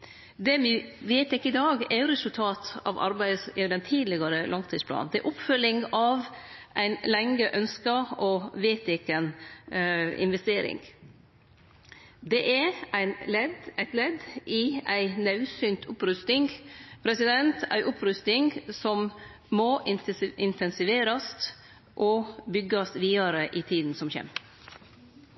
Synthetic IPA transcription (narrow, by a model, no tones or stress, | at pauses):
d̪ɛmɪʋeɪt̪ɪkːəɪd̪ɑːɡɛɾɛsʉlt̪ʰɑːt̪ɑ̰ʋʔɑ̰ɾbæɪd̪sɛd̪ɛnt̪ʰiːd̪lɪɡɑɾəlɑŋt̪ʰiːspʰlɑ̰ːnd̪ɛɛ̰ɾʔʊpfœlːɪŋɑʋ | ʔæɪnlɛŋəʔœnskəɔʋeɪt̪ɪkːən | ɪ̰nʋɛst̪eːɾɪ̰ŋ | d̪ɛʔɛɾæɪnlɛd̪æɪt̪lɛd̪ʔɪæɪnɑʉsynt̪ʰʊpɾʉst̪ɪŋpʰɾɛsɪd̪ɛnt̪ʰæ̰ɪʔʊpɾʉst̪ɪŋsɔm | mɔʔɪɪnt̪ʰɛnsɪʋeːɾɑst̪ | ʔɔbʏɡɑsʋiːɑɾəʔit̪ʰiːd̪n̩sɔmçɛ̰m